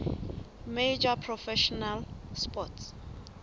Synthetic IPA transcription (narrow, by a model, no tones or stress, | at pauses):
med͡ʒapʰrɔfɛʃɔnalspɔts